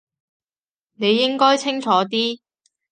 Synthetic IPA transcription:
ne˨˧jːɪ˥ŋkɔː˥jt͡sʰɪ˥ŋt͡ʃʰɔː˨˥t̪iː˥

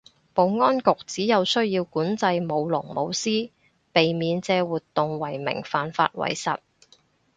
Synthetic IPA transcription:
po˨˧wŋɔː˥nkʊ˨k̚t͡siː˨˥jɐ˨˧wsɵ˥ɥjiː˧wkuː˨˥nt͡sɐ˧jmo˨˧wlʊ˨˩ŋmo˨˧wsiː˥ | pe˨jmiː˨˧nt͡sɛː˧wuː˨t̪ːʊ˨ŋwɐ˨˩jmɪ̰˨˩ŋfaː˨nfa̰ː˧t̚wɐ̰˨˩jsɐ̰˨t̚

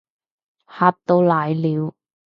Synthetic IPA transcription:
haː˧t̚t̪o˧wlaː˨jliː˨˧w

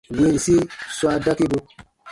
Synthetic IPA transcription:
we˨˦˨i˨si˦swa˧da˦ki˦bo˧

